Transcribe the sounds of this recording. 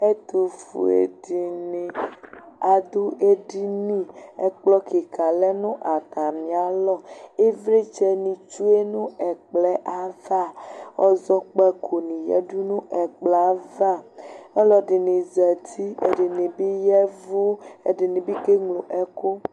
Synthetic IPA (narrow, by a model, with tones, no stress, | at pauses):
e˦t̪u˨fṵ˨ḛ˨di˨ni˨ | a˨d̪u˦ʔe˦ɖi˦nĩ˦ɛ˦k͡plɔ˦ki˨ka˨lɛ˦nũ˦ʔa˨t̪a˨mĩ˨a˨lɔ˦˨e˦vɾe˦t͡ʃɛ˨nĩ˨t͡ʃu˦e˦nũ˦ɛ˨k͡plɛ˦ʔa˦va˦˨ɔ˦zɔ˦k͡pɛ˦kʰo˨nĩ˨jɛ̰˦du˦nũ˦ʔɛ˨k͡pla˦va˦˨ɛ˦lɔ˨ɖi˨nĩ˨zɛ˨t̪ʰi˦ḛ˨de˨nĩ˨bi˦jɛ˦vu˦ḛ˨ɖe˨nĩ˨bi˦ke˦ŋlo˨ʔɛ˦ko˦